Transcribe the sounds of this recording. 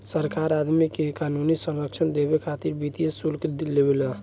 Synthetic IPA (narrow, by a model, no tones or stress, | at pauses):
səɾkaɾad̪mikekanunisənɾəkt͡ʃʰənd̪eβekʰat̪iɾbit̪ijesulklebela